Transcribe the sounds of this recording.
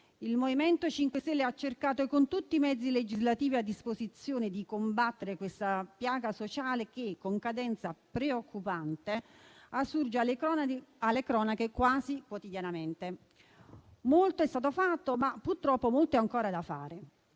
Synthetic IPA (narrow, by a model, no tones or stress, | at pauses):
ilmovimɛnt̪ot͡ʃiŋkwest̪ɛlːeat͡ʃːerkaːt̪okont̪ut̪ːimɛd̪zːiled͡ʒizlat̪iːviad̪ːispozit̪sːjoːned̪ikombat̪ːeɾekwest̪apjaːɡasot͡ʃaːlek̟ekːoŋkad̪ɛnt̪sapɾeokːupant̪easːurd͡ʒeal | alːekɾɔːnakekwaːzikwot̪id̪janament̪e | molt̪oɛst̪aːt̪ofat̪ːomapːurt̪ɾɔpːomolt̪oaŋkoːɾad̪afa̰ːɾe